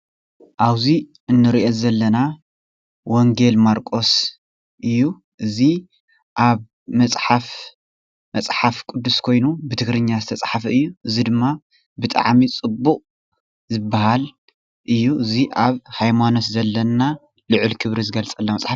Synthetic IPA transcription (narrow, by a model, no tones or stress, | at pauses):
ʔaβzi | ɨnːɨɾiʔozɐlːɐna | woŋɡe̞lmaɾkʼo̞s | ʔɨjːu | ʔɨzi | ʔaβ | mɐsʼħaf | mɐt͡sʼħafkʼʊd̪ːuskʰo̞jnubɨt̪ʰɨɡɾɨɲːazɨt̪ʰɐt͡sʼħafɐɨjːuʔɨzid̪ɨmːa | bɨt̪ʼa̰ʕmit͡sʼɨbːuqʼ | zɨbːahal | ʔɨjːuʔɨziʔaβhajmano̞t̪zɐlːɐna | lɨʕɨlkʰɨβɾizɨɡɐlt͡sʼɐlːamɐt͡sʼħa